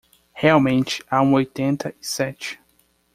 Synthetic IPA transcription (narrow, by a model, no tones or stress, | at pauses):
heawmẽnt͡ʃɪ̥aũojt̪ẽnt̪ɐisɛt͡ʃɪ̥